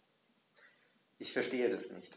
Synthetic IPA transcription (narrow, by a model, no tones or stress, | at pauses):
ʔɪçfɛɐʃteːədasnɪ̰çt